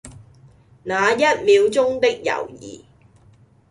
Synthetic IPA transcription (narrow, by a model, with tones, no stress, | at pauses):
naː˨˧jɐ˥t̚miː˨˧wt͡sʊ˥ŋt̪ɪ˥k̚jɐ̰˨˩wjḭː˨˩